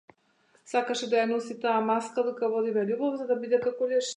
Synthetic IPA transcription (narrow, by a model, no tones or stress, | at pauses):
sakaʃɛd̪ajanɔsit̪aːmaskad̪ukavɔd̪ivɛlʲubɔvzad̪abid̪ɛkakɔlɛʃ